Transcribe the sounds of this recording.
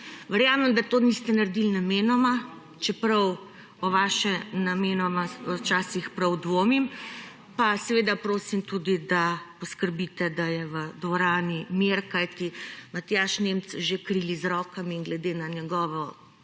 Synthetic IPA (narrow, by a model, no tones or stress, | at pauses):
ʋəɾjaːmɛmd̪at̪oːnist̪ɛnaɾd̪ilnameːnɔma | t͡ʃɛpɾɐw | ɔʋaːʃɛnameːnɔmaɔt͡ʃaːsixpɾɐwd̪ʋoːmim | pasɛʋeːd̪apɾoːsimt̪ud̪id̪apɔskəɾbit̪ɛd̪ajɛʋəd̪ʋɔɾaːnimeɾkajt̪imat̪jaːʃnemt̪t͡s̪ʒekɾilizɾɔːkamiiŋɡlɛd̪enanjɛɡɔːʋɔ